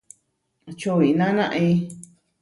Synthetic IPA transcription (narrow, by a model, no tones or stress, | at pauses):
t͡ʃoβinãnãʔi